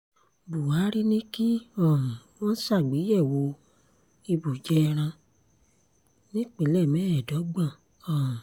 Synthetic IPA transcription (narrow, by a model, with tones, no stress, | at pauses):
bu˨wa˨˦ɾi˦nĩ˦ki˦ɔ̃˨wɔ̃˦n̩˦sa˦˨ɡ͡be˨˦jɛ˦˨wo˧˦ | i˧bu˨d͡ʒɛ˦˧ɾ̃ã˧ | nĩ˦k͡pe˨˦lɛ˦˨mɛ̃˦ɛ˨dɔ˨˦ɡ͡bã˦˨ | ɔ̃˨